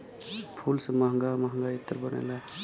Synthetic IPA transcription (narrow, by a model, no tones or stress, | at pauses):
pʰulsemaɦŋɡamaɦŋɡait̪ːəɾbəna̰jla